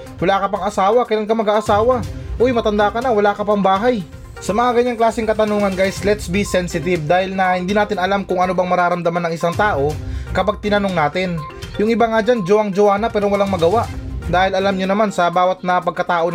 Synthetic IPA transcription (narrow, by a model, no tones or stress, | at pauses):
wɐlaːkɐpɐŋɐsaːwɐkɐɪlankɐmɐɡaːʔɐsaːwɐʔojmɐt̪ɐnd̪akɐnawɐlaːkɐpɐŋbaːɦaj | sɐmɐŋaɡɐɲːaŋklaːsɪŋkɐt̪ɐnoːŋɐnɡajslɛt̪sbisɛnsɪt̪ɪbd̪aːhɪlnɐhɪnd̪iːnaːt̪ɪnɐlamkʊŋʔɐnobɐŋmɐɾaːɾɐmd̪ɐmanɐŋɪsaŋt̪aːʔo̞kɐpaɡ̚t̪ɪnɐnoŋnaːt̪ɪn | jʊŋʔɪbaŋad͡ʒand͡ʒoʔaŋd͡ʒoʔaːnɐpɛːɾowɐlaŋmɐɡɐwaʔd̪aːhɪlɐlamɲonɐmansɐbaːwɐt̪̚nɐpɐɡ̚kɐt̪aːʔo